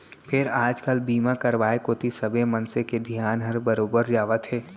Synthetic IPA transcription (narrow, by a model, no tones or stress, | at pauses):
pʰɪɾaːd͡ʒkəlbiːmakɐɾʋaːekoːt̪isɐbʱemɐ̃nseked̪ʱjaːnɦɐɾbɐɾoːbəɾd͡ʒaːʋət̪ɦɛː